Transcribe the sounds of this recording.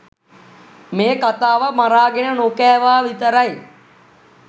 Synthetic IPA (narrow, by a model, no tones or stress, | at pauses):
meːkat̪aːʋəmaɾaːɡenənokɛːʋaːʋit̪əɾaj